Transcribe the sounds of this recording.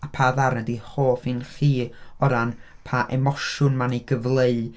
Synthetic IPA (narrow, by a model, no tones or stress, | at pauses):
apʰaðaɾnədihoːfinχiːɔɾan | pʰaʔɛmɔʃʊnmaniɡəvlˠeɨ